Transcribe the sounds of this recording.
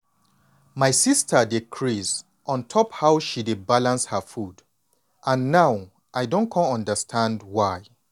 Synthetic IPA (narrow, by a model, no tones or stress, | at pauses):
majsistʰədikʰɹiz | ʔɔ̃ntʰɔphawʃidebalãnshəfud | ʔãnːaw | ʔajdõnkʰɔ̃ntɔ̃ndəstʰãndwaj